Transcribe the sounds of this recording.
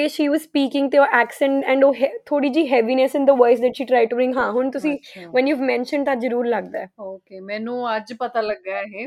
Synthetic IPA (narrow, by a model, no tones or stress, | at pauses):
eʃiːʋɔzspiːkɪ̃ŋɡt̪eoʔɛːksɛ̃ɳʈɛ̃ɳɖoːɦɛt̪ʰoːɽiːd͡ʒiːɦɛʋinɛsɪ̃nd̪əʋɔɪsd̪ɛʈʃiːʈɾaːɪʈubɾɪ̃ŋɡɦãːɦʊɳt̪ʊsĩːʋɛ̃njuːʋmɛ̃nʃə̃ɳɖ̚t̪azəɾuːɾləɡd̪aɛːoːkeːmɛ̃ːnũːəd͡ʒpət̪aːləɡaːɛɦeː